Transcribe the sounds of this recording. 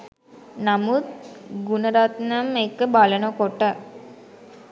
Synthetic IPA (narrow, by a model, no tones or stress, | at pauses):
namut̪ɡunəɾat̪nəmekəbalənəkoʈə